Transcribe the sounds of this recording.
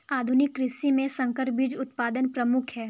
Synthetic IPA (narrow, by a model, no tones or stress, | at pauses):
aːd̪ʱʊnɪkːɾɪsimẽsɐ̃ŋkəɾbʱid͡ʒʊt̪paːd̪ənpɾɐmʊkʰɦɛː